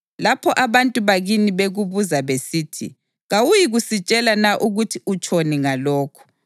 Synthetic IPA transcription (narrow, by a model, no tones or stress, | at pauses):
lapʰɔʔaβantʼuβaɣiniβeɣuβuzaβesiːtʰḭ | ɣawujiɣusit͡ʃʼɛlanaʔuɣutʰiut͡ʃʰʼoniŋalɔːkʰɔ̥